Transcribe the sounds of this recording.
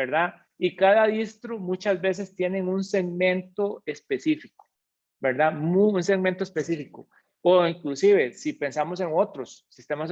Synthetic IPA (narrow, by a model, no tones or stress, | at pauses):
beɾða | ikaðaðist̪ɾomut͡ʃazbe̞se̞st̪je̞ne̞ŋunseɡmẽ̞nt̪o̞e̞spe̞sifiko̥ | beɾd̪amuunseɡment̪oespesifiko | oiŋklusiβe̞sipe̞nsamose̞ŋot̪ɾosːist̪emas